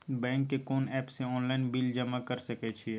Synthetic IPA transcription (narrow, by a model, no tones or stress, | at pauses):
bɛ̃ːŋkːekɔːnɛːpseɔːnlaːɪnbɪld͡ʒəmakəɾsɐket͡ʃʰi